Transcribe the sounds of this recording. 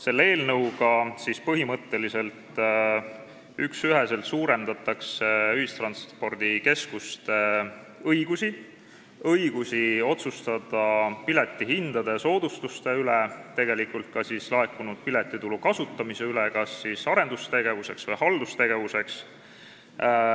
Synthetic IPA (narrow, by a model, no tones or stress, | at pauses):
se̞lːe̞ːlnɤwɡɑsispɤɦimɤt̪ːe̞lise̞lt̪ | yksyɦe̞se̞lt̪suːɾe̞nd̪ɑt̪ːˑɑkseyhist̪rɑnspo̞rd̪̥ike̞skust̪e | ɤiɡ̥usi | ɤiɡ̥usʲio̞t̪sust̪ɑd̪̥ɑpile̞t̪ːiɦind̪̥ɑd̪e̞so̞ːd̪̥ust̪ust̪e̞ylet̪e̞ɡ̥e̞likult̪̚kɑsislɑe̞kːˑunud̪̥̚pilet̪ˑːit̪ulukɑsut̪ːˑɑmise̞ylekɑsːisɑɾe̞nd̪̥ust̪e̞ɡ̥e̞vuse̞ksvɤjhɑld̪ust̪e̞ɡ̥e̞vuse̞ks